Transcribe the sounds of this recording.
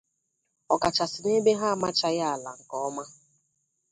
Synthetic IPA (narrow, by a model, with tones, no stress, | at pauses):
ɔ˨ka˨t͡ʃa˨sɪ˨ne˦be˦ɦa˦˨ma˦t͡ʃa˦ja˦a˨la̰˨ŋ̩˨kɔ˦ɔ˦ma˦